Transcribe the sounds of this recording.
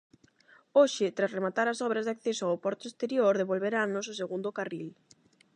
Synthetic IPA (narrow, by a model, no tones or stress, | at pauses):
oʃɪt̪ɾasremat̪aɾasɔβ̞ɾɐzðakθesoawpɔɾt̪oest̪eɾjoɾðeβolβeɾanos̬ʊseɣund̪okaril